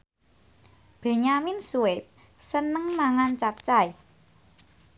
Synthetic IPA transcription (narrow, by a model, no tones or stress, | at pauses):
b̥e̤ɲaminsuɪt̪̚ | sənəŋmaŋant͡ʃap̚t͡ʃaj